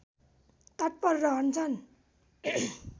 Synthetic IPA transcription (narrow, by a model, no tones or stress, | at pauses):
t̪ʌʈ̚pʌrːʌɦʌnt͡sʰʌn